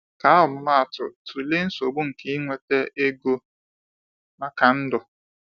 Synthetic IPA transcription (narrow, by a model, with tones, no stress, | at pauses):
ka˨˦a˦ʊ˨mʊ˦ma˦a˨tʊ˨tu˨le˦n̩˦so˨bu˦ŋ̩˨ki˦i˦ŋʷe˦te˦ʔe˦ɡo˦ | ma˦ka˨n̩˦dʊ˨